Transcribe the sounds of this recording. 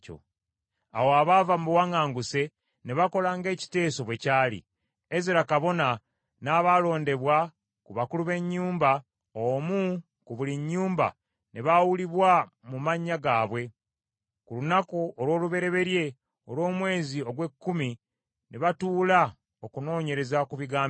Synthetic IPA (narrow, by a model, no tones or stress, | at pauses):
o̰ | a̰woaβavamuwaŋaːŋɡuse̞ | neβako̞laːŋɡe̞ːci̥te̞ːso̞βwe̞caːlḭ | eziɾakaβo̞na | naːβalo̞ːnde̞βwa | kuβakuluβe̞ɲːuːmba | omu | kuβuliɲːuːmba̰ | neβawuliβwa | mumaɲːaɡaːβwe̞ | kulunakoʔolwo̞ːluβe̞ɾe̞βe̞ɾje̞ | o̞ɾwo̞ːmwe̞ːzio̞ɡwe̞kːumi | neβatuːla | okuno̞ːɲe̞ɾe̞zakuβiɡaːm